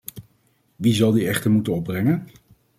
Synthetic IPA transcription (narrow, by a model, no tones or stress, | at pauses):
ʋizɑlˠdiɛχtəɹmutənɔb̚brɛŋən